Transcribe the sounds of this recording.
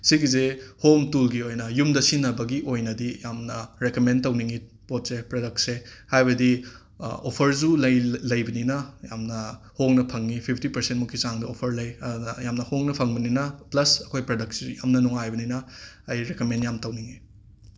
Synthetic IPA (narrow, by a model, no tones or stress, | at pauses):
siɡizehomtulɡiojnɐjumdɐsinːɐbɐɡiʔojnɐdijamnɐɾekɐmentɐwniŋi | pot̚sepɾodɐk̚sehajbɐdi | opʰɐɾzulɐjlɐjbɐninɐjamnɐ | hoŋnɐpʰɐŋːipʰipʰtipɐɾsentmukʰːisaŋdɐopʰɐɾlɐjɐdunɐjamnɐhoŋnɐpʰɐŋbɐninɐplɐsɐkʰojpɾɐdɐk̚szuja̰mnɐnuŋajbɐninɐː | jɾekomenjamtɐwniŋi